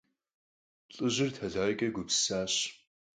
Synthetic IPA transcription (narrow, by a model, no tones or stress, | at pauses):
ɬʼɨʑɪrtʰɐɮaːʁkʲʼɐɡʷʊpsaːɕ